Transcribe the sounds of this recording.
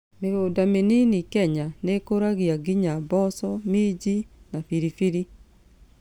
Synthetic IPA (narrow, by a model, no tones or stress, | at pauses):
meɣoːdameninikɛɲanekoɾaɣiaɡiɲabɔsɔmiːd͡ʒinafiɾifiɾi